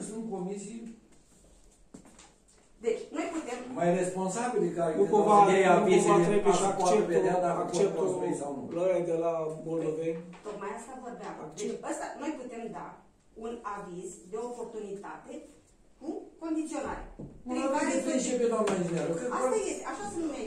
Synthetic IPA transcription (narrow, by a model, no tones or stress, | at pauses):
sunkomisi | d̪et͡ʃʲno̞jput̪e̞mmajrespo̞nsabilkajnukovaejavizanepeʃaoaeeeoad̪aakoeospesaloɾajd̪elamold̪ovenʲt̪ot̪majast̪avorbaaeəst̪ano̞jput̪e̞md̪a | unavizd̪e̞opo̞rt̪unit̪at̪e | kuko̞nd̪it̪sio̞na̰ɾḛeobad̪eet͡ʃeped̪amed͡ʒinaɾokɾet̪aajet̪eaʃasənume